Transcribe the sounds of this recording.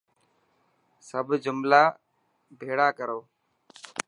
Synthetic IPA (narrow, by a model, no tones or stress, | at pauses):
səbʱd͡ʒʊmlaː | bʱeːɽaːkəɾoː